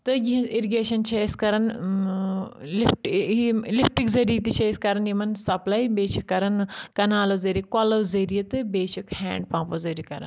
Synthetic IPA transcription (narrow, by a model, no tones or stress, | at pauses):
t̪ɨɡiĩiɾiɡeːʃɐnt͡ʃʰɐiskɐɾɐn | lifʈiilifʈikzɐɾiːt̪it͡ʃʰɐiskɐɾɐnjimɐnsɐplajbeːt͡ʃʰikːɐɾɐnkɐnaːlɐzɐɾikɔlɐwzɐɾijɐt̪ɨbeːt͡ʃʰɐkhɛ̰̃ːɳɖpãːpɐzɐɾikɐɾɐ̰n